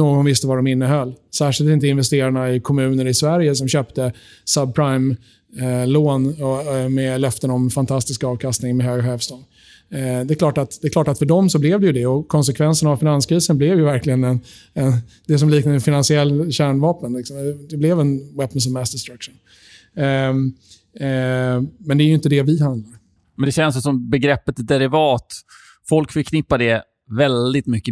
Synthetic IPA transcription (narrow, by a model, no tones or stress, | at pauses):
noːɡɔnvɪst̪əvaɖɔmɪnːəɦœlːsæːʂɪlt̪ɪnt̪əɪnvɛst̪eːɾaɳaɪkʰɔmʉ̟ːnəɾɪsvæɾjəs̬ɔmɕøːpt̪ə | səb̚pʰɾajm | loːnɔmɛlœft̪ənɔmfant̪ʰast̪ɪskaɑːvkʰast̪nɪŋmɛɦøːɡhøːvst̪ɔŋ | d̪ɛklɑːʈat̪d̪ɛkʰlɑːʈat̪fœɖɔmsɔblɛvd̪ɛjɵd̪ɛɔkʰɔns̬ɛkʰvɛnsənavfɪnanskɾiːsənblɛvjɵvæɾklɪɡənɛn | ɛn | d̪ɛs̬ɔmliːknad̪əfɪnansɪɛlːɕæːɳvɑːpənlɪksɔmɛd̪ɛblɛvɛnwɛpːəns̬ɔmɛst̪ɛst̪ɾakʂʊn | mɛnd̪ɛæɾjʏɪnt̪əd̪ɛvɪhand̪d̪laɾ | mɛnd̪ɛɕɛnsjsɔmbɛɡɾɛpːət̪d̪ɛɾɪvɑːt̪ | fɔlkfɪkʰːnɪpːad̪ɛ | vɛld̪ɪt̪mʏkːə